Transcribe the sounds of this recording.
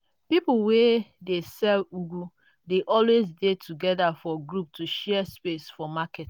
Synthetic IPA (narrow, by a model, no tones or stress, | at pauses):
pipuwedesɛluɡu | deʔɔlwezdetʰuɡɛdafɔɡɹup̚tʰuʃɛɛspesfɔmakɛt